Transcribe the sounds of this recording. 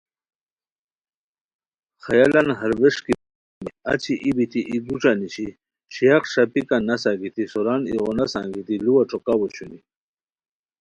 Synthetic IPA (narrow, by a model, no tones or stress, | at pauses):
xɐjalɐnɦɐɾweʂki | miɐ̰t͡ɕʰiʔibit̪ʰiʔiɡuʈ͡ʂaniɕi | ɕijaqʂapikanɐsaɡit̪isoɾanḭɣonasã̰ːŋɡit̪iluwaʈ͡ʂʰokawoɕuni